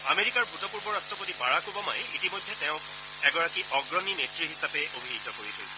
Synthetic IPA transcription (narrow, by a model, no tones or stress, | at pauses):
ameɹikaɹbʱutɔpuɹbɔɹastɹɔpotibaɹakobɔma̰jitimojdʱːɛtɛʊ̃ | ɛɡɔɹakiʔɔɡɹɔninetɹiɦisapɛʔobʱiɦtɔkoɹitʰojsɛ̥